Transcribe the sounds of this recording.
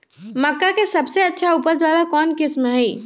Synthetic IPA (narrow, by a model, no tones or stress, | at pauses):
məkːakesəbseətːʃʰaupəɾd͡ʒjad̪akɔːnkɪsmɦɛi